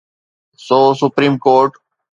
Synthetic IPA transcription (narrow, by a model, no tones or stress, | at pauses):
soːsʊpɾĩːmkoːɾʈ